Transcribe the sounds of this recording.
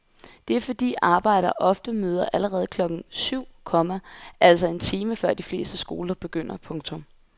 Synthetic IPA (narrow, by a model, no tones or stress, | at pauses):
d̥e̝æɐfɒ̽d̥ḭːʔɑ̈ːb̥ɑ̈ɪ̰ɾ̥ɐʔɒ̽fd̥əmøːð̞ˠɐʔæləʁɛːð̞̩ˠəkʰlɒ̽ɡ̥n̩syʊ̰kʰɒ̽mæʔæl̰sɒe̝nt͡sʰiːməfɶɐ̰d̥ifle̝̰ːsd̥əsɡ̥o̝ːlɐb̥e̝ɡ̥øn̰ɐpʰɔ̽ŋt͡sʰɔ̽m